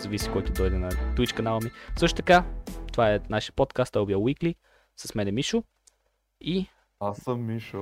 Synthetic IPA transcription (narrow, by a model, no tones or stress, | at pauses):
zɐviskɔjt̪ʊd̪ɔjd̪ɛnɐt̪uit͡ʃkɐnalˠəmisɤʃ̬t̪ʊt̪ɐkat̪ovaɛnaʃiəpot̪kast̪ojlbiawikli | sɐsmɛnɛmiʃʊ | i | asəmːiʃʊ